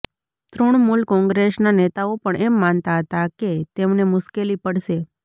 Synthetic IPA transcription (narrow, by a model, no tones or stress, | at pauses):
t̪ɾoɳ̃mulkɔ̃ŋɡɾesnanet̪aopəɳʔɛmːant̪aɦət̪aket̪emnemʊʃkelipəɽʃe